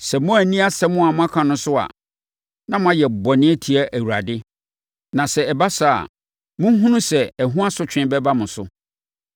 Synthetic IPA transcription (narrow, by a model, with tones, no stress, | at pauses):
sɛ˨mʊ̃˦æ˨nĩ˦a˦sɛ˦mʊ̃˦a˨mʊ̃˦a˦kʰã˨nʊ̃˦sʊ˦a̰˨ | nã˦mʊ̃˦a˦jɛ˨bɔ˨nɪ̃˦ɛ˦tʰi˨æ˦ʔæ˨wu˨ɾa˨dɪ˦ | nã˨sɛ˨ɛ˨ba˦sa˨a̰˨ | mʊ̃˦ɦũ˦nũ˦sɛ˨æ˨ɦũ˦a˦sʊ˦t͡ɕᶣɪ̃˦bɛ˦ba˦mʊ̃˨sʊ˦